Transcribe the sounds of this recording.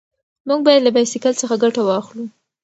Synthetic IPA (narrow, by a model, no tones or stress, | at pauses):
muɡ̚bɑjad̪labajsikalt͡səxaɡaʈawɑxlu